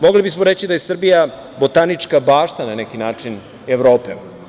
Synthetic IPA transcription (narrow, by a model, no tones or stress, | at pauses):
moɡlibismoɾet͡ɕid̪ajesr̩bija | bot̪anit͡ʂkabaːʃt̪ananekinaːt͡ʂin | eʋɾoːpe